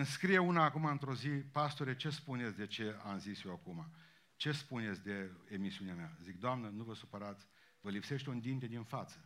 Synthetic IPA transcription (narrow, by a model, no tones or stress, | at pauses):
ɨnskɾije̞unaːkumaɨnt̪ɾo̞zipast̪oɾet͡ʃe̞spunesʲd̪e̞t͡ʃe̞a̰mzisjewakuma | t͡ʃe̞spunesʲd̪e̞emisiuneameazik̚d̪oamnənuvəsupəɾat̪sʲ | vəlipse̞ʃt̪ʲund̪int̪ed̪infat̪sə